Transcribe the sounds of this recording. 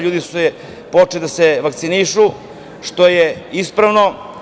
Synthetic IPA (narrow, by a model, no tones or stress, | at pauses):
ʎuːd̪isuɛ | pot͡ʃelid̪aseʋakt̪siniʃu | ʃt̪ojeispɾaʋno̞